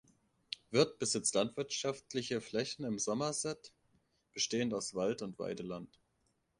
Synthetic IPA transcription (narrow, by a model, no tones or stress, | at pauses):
vɪɐt̚b̥əzɪt͡stlantv̥ɪɐtʃaftlɪçəflɛçn̩ɪmzɔmɐzɛt | b̥əʃteːənaʊsv̥altʊntv̥a̰ɪdəlant